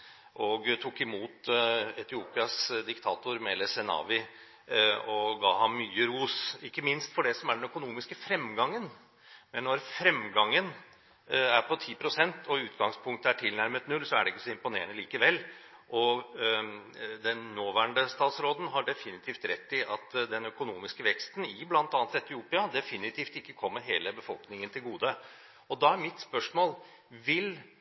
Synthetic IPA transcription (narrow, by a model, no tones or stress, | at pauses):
ʔɔɡt̪ʰukːɪmuːt̪ɛt̪ɪuːpɪɑsd̪ɪkt̪ʰɑːt̪ʊɾmɛlɛsɛnɑ̰ːʋɪ | ɔɡɑ̰ːɦɑmːyːəɾuːsɪkːəmɪnst̪fɔɖɛsɔmæɖɛnœkʊnuːmɪskəfɾɛmɡɑŋːən | mɛnːɔɾfɾɛmɡɑŋːən | æɾpʰɔt̪ʰiːpʰɾʊsɛnt̪ʰɔʉːt̪ɡɑŋspʰʊŋt̪əæʈʰɪlnæɾmət̪nʉlsɔæɖɛɪkːəsɔɪmpʊneːɾənəliːkəʋɛlː | ʔɔ | d̪ɛnːoːʋæːəɳɖəst̪ɑːt̪sɾoːd̪n̩ɦɑɖɛfɪnɪt̪ʰiːft̪ɾɛt̪ːɪʔɑt̪d̪ɛnœkʊnuːmɪskəʋɛkst̪nɪblɑnt̪ɑːnət̪ɛt̪ːɪuːpɪɑd̪ɛfɪnɪt̪ʰiːft̪ɪkːəkʰɔmːəɾɦeːləbəfɔlknɪŋənt̪ʰɪlɡuːd̪ə | ɔd̪ɑæɾmɪt̪spœʂmoːl | ʋɪl